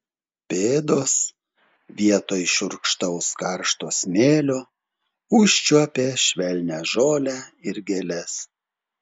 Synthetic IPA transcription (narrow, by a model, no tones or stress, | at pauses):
pʲeːd̪oːs | ʋʲiɛt̪oːjʃʊɾkʃt̪ɐʊskɐɾʃt̪oːsmʲeːlʲoː | ʊʃʲt͡ʃʲuɔpʲeːʃʲʋʲɛlʲnʲæːʒoːlʲæɪɾɡʲelʲɛs